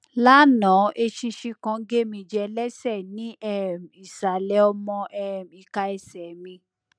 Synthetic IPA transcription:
la˦nã˨˦ʔe˧ʃi˧ʃi˧kã˧˦ɡe˦mĩ˧˨d͡ʒɛ˧lɛ˦sɛ˦˨nĩ˨˦ʔɛ˦˨m˨i˨sa˨lɛ˨˦ɔ˧mɔ̃˧ʔɛ˦˨m˨i˨ka˧ɛ˧sɛ˨mĩ˧

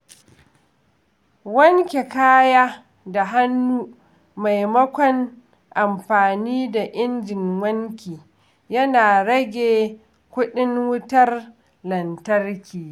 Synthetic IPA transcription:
wɐ˦ŋkʲe˨kaː˦jaː˦ | da˨ɦa˦nːuː˦ | ma˨jmɐ˦kʷɔ˨n | ʔa˨mɸaː˨niː˦da˨ʔɪ˦nd͡ʒɪ˨ŋwɐ˦ŋkʲiː˨ | jɐ˦naː˨ɽɐ˦ɡʲeː˨ | kʷʊ˦ɗɪ˦ŋwʊ˦tɐ˦r | lɐ˨ntɐ˦rkʲiː˨

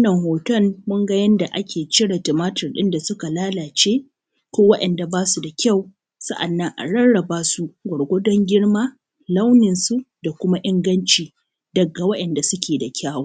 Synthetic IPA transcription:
wnːɐ˨ŋhoː˨tɐ˦mmʊ˦ŋɡa˦jɐ˦nda˨ʔa˦kʲeː˨t͡ʃɪ˦ɽa˨tɐ˨maː˦tɐ˨rɗɪ˦nda˨sʊ˦ka˨laː˦laː˨t͡ʃeː˦ | koː˦wɐ˦ɗɐ˨nda˨baː˦su˨da˨kʲa˦˨w | sɐ˦ʔa̰˨nːɐ˦ŋʔa̰˨ɽɐ˦ɽɽɐ˨baː˦su˦ɡʷɔ˨ɽɡʷo˦dɔ˦ŋɡʲɪ˦ɽmaː˦ | la˦wnɪ˨nsu˦da˨kʷʊ˦ma˦ʔɪ˦ŋɡɐ˦nt͡ʃiː˨ | dɐ˨ɡa˨wɐ˦ɗʔɛ˨nda˨sʊ˦kʲeː˨da˨kʲaː˦waː˦

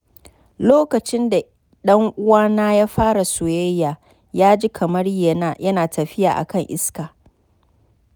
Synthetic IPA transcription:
loː˦kɐ˨t͡ʃɪ˦nda˨ | ɗɐ˦ŋʔʊ˦waː˦naː˦jaː˦ɸaː˦ɽa˨sʊ˨je˦jːaː˨ | jaː˦d͡ʒi˦kʰɐ˨mɐ˦rje˦a˦˨jɐ˦naː˨tʰɐ˨ɸɪ˦ja̰ː˨ʔa̰˨kɐ˦˨ŋʔɪ˦skaː˨

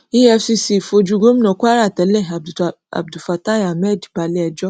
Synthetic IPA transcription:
i˦ɛ˧si˧si˨fo˧d͡ʒu˦˧ɡo˦m̃˦nɔ̃˨˧ku˦a˦ɾa˦˨tɛ˨˦lɛ˦˨ | a̰˨b̚du˨fa˨ta˦˨a˨mɛ˦˨dba˧lɛ˦ɛ˧d͡ʒɔ˦

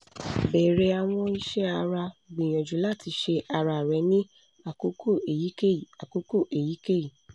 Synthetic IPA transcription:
bɛ˨ɾɛ˨˦a˧w̃ɔ̃˧i˧ʃɛ˦a˧ɾa˧˨ɡ͡bĩ˨j̃ã˨d͡ʒu˨˦la˦˨tʰi˧ʃe˧a˧ɾa˧˨ɾɛ˨˦nĩ˦ | a˨ko˦ko˦e˨ji˨˦e˦˨a˨ko˨˦ko˦˨ʔe˨ji˨˦ke˦˨ji˦˨

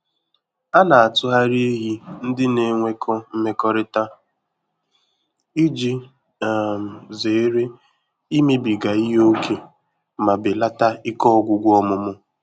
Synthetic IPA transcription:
a˦na˨a˨tʊ˦ɦa˦ɾi˦e˦ɦi˦n̩˦dɪ˦ne˨˦ŋʷe˦kʰɔ˦m̩˦me˦kɔ˦ɾɪ˦ta˦ | i˦d͡ʒi˦˨ | m̩˨ze˨˦ɾe˦ | i˦me˦bi˨ɡa˨i˦ɦo˦kʰe˨ | ma˨bɪ˨la˦ta˦ɪ˦kɔ˦ɔ˦˨ɡʷʊ˨ɡʷɔ˦mʊ˨mʊ˦

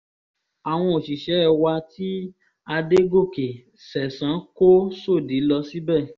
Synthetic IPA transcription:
a˨w̃ɔ̃˧o˨ʃi˨ʃɛ˨˦ɛ˨wa˧ti˦ | a˧de˦ɡo˦˨ke˨ | sɛ˨sã˨˦ko˦so˦˨di˨˦lɔ˧si˦bɛ˦˨

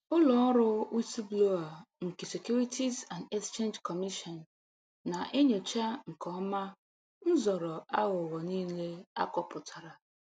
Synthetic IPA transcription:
ʊ˦lɔ˨˦ɾʊ˦u˦si˦blo˦a˨ŋ̩˨ke˨se˨kju˦ɾi˦tʰi˦za˨nde˦kst͡ʃe˦nd͡ʒkɔ˨mi˦ʃɔ˨nː | a˨ʔe˦ɲe˨t͡ʃa˦ŋ̩˨kɔ˦ma˦ | n̩˦zɔ˨ɾɔ˨a˦ɣʊ˨ɣɔ˨niː˦le˦a̰˦kɔ˦pʊ˨tʰa˨ɾa˨

